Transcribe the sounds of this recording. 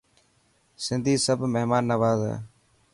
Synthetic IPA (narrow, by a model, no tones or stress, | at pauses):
sɪnd̪ʱiːsəbʱmeɦmaːnːəʋaːzɛ̰ː